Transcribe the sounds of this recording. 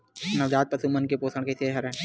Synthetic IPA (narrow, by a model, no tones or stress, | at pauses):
nɐʋd͡ʒaːd̪̚pɐsumənkepoːsəɽ̃keseːɦɐɾɛ̃